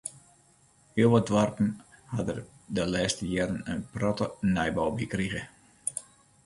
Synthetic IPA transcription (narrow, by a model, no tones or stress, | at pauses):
hiəlˠʋɔdʋɔrpn̩hadər | dəlɛːstəjɛːɾənənprɔtənɛjbɔwbikriɣə